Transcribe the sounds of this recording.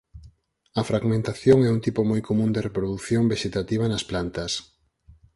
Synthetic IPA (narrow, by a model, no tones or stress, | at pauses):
ɐfɾaɣmẽnt̪aθjoŋɛunt̪ipomojkʰomũnd̪erepɾoðuθjoŋbeʃet̪at̪iβ̞ɐnɐsplant̪ɐs